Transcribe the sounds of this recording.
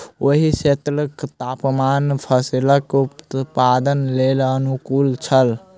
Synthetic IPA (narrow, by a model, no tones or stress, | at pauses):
oɦiset̪ɾəkt̪apmanpʰəsiləkut̪pad̪ənlelənukult͡ʃʰəl